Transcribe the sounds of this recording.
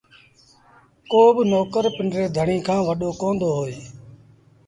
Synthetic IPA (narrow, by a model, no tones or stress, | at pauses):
koːbnoːkəɾpɪnɾeːd̪ʱəɳiːkʰãːʋəɗoːkõːnd̪oːɦoːeː